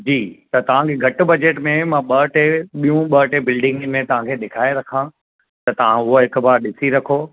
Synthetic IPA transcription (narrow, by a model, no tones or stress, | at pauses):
d͡ʑiːt̪ɐt̪ɐʋ̤ãkʰeɡʱɐʈʊ̆bɐd͡ʑeːʈmẽmãɓɐːʈeɓijũɓɐːʈebɪlɖɪ̃ŋɡmẽt̪ɐʋ̤ãkʰeːɗɪkʰaːeɾɐkʰã | t̪ɐt̪ɐʋ̤ãʊɦoɦɪkbaːɾɗɪsiɾɐkʰoː